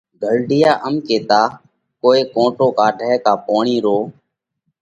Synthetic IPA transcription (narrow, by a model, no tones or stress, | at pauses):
ɡʱəlɖɪjaːʔəmkeːt̪aː | koːeːkõːʈoːkaːɖʱɛːkaːpoːɳiːɾoː